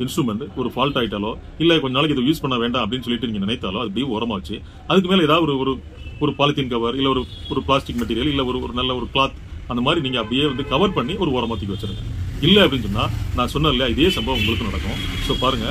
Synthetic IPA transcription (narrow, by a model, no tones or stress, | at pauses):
ɪnsʈɾuːmɛɳʈɔɾɯfaːlʈaːɪʈːaːlõː | ɪlːɛkɔɲd͡ʒɐnaːlɛk̬ːɪɛðojuːspɐɳːɐʋeːɳɖãːɐpːɐɽɪnːsɔlːɪʈːɯniːŋɡɐnɪnɐɪt̪ːaːlõːɐðɐp̬ːɐɽɪjeːɔːɾɐmaːʋɐt͡ʃːɯ | ɐðɯk̬ːɯmeːlɛɛːðaːðɯɔɾɯɔɾɯ | ɔɾɯpaːlɪt̪ːɪnkɐʋɐɾɪlːɛɔɾɯɔɾɯpɭaːsʈɪkːmɐʈ̬ːiːɾɪjɐlɪlːɛɔɾɯɔɾɯnɐlːɐɔɾɯkɭaːt̪ɐnd̪ɐmaːd̪ɾiniːŋɡɐːpːɐɽɪjeːʋɐnd̪ɯkɐʋɐɾpɐɳːiɔɾɯɔːɾɐmaːt̪ːɯkːʋɐt͡ʃːɯɾɯŋɡɐɪlːɛɐpːɐɽɪnsɔnːaːnãːsɔnːɐɪlɪjaːɪðeːsɐmbɐʋɐ̃ʊŋɡɐɭɯkːɯnɐɽɐkːʊ̃ | soːpaːɾɯŋɡɐ